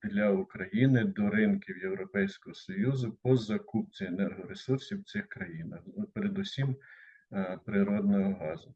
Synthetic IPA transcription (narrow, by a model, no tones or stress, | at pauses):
d̪lʲɐukɾɐjinɪd̪ɔɾɪnkʲiwjewɾɔpɛjsʲkɔɦɔsɔjuzʊpɔzɐkup̚t͡sʲienɛrɦɔɾesursʲiw̪sɪxkɾɐjinɐxpeɾed̪usʲim | pɾɪɾɔd̪nɔɦɔɦɑzʊ